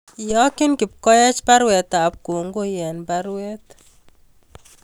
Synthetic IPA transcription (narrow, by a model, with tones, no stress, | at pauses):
jɔ˦kɪ˦nkɪ˨pkɔ˦jɛ˦t͡ʃba˦ɾwɛ˨t̪a˨p̚ko˨ŋɡo˦jɛ˨nba˦ɾwɛ˦t̪